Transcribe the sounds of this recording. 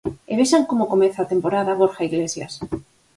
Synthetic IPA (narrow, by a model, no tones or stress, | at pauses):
eβ̞eʃaŋkomokomeθat̪empoɾaðaβoɾxaiɣlesja̰s